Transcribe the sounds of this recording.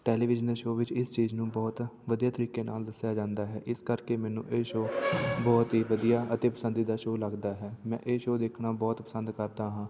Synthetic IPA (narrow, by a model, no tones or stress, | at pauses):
ʈɛːliːʋɪd͡ʒənd̪eːʃoːʋɪt͡ʃɪst͡ʃiːznũːbɔːt̪ʋəd̪ijaːt̪əɾiːkeːna̰ːld̪əsjaːd͡ʒãːnd̪aːɦɛ̰ːʔɪskəɾkeːmɛːnṵ̃ːʔeːʃoːbɔːt̪ɦiːʋəd̪ijaːʔət̪eːpə̥sənd̪iːd̪aːʃoːləɡd̪aːɦɛːmɛ̰̃ːʔeːʃoːd̪eːkʰnaːbɔːt̪pəsənd̪kəɾd̪aːɦãː